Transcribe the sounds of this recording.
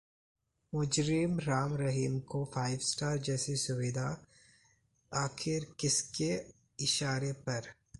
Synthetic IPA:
mʊd͡ʒɾɪmɾaːmɾɐɦiːmkofʰaːɪʋsʈaːɾd͡ʒɛːsesʊʋɪd̪ʱa | aːxʰɪɾkɪske | ɪʃaːɾepɐɾ

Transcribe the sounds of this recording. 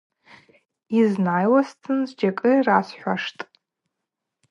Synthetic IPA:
iznajwastʰɨnzd͡ʒakʼɨrasħʷᶣaʂtʼ

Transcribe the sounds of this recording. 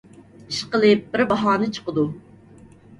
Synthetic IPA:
iʃqəlˠɨp̚bɪɾbɑɦɑːnɨt͡ʃʰə̥qəd̪u

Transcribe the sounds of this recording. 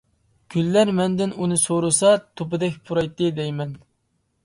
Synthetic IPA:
ɡ̥ʲylːæɾmɛnd̪ɪnunɨsoɾusɑt̪ʰopɨd̪ɛkʲpʰuɾɑjt̪ːɨd̪ɛjmɛn

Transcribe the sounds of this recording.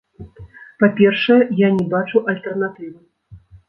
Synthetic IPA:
papʲɛrʂɐjɛjanʲɛbat͡ʂuʔɐlʲt̪ɛrnat̪ɨvɨ

